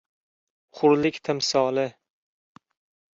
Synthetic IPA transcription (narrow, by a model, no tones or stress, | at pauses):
χʊɾlɪkʲt̪ʰɪmsɒːlɪ